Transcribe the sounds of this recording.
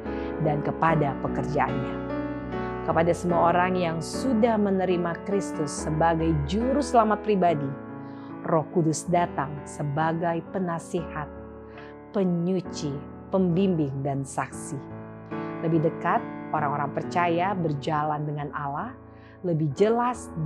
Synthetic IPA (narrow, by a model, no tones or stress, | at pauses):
dankəpadapəkərd͡ʒaʔa̰nɲa | kəpadasəmuaoɾaŋjaŋsudahmənəɾimakɾist̪ʊsːəbaɡajd͡ʒuɾʊhsəlamat̪̚pɾibadi | rɔhkudʊsdat̪aŋsəbaɡajpənasihat̪̚ | pəɲut͡ʃi | pəmbimbɪŋdansaksi | ləbɪhdəkat̪̚ʔoɾaŋoɾaŋpərt͡ʃajabərd͡ʒalandəŋanʔalah | ləbɪhd͡ʒəlas